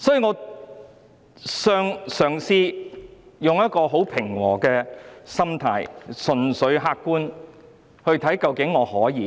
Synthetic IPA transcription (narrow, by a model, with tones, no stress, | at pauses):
sɔː˨˥ji˧ŋɔː˨˧ | sœː˧ŋsœː˨˩ŋsiː˧ | jʊ˨ŋjɐ˥t̚kɔː˧ɦo˨˥wpʰɪ˨˩ŋwɔː˨˩kɛː˧sɐ˥mt̪ʰaː˧˥jsɵ˨˩nsɵ˨˧ɥɦaː˧kːuː˥n | hɵ˧ɥt̪ʰɐ˨˥jkɐ˧wkɪ˨˥ŋːɔː˨˧hɔː˨˥jiː˨˧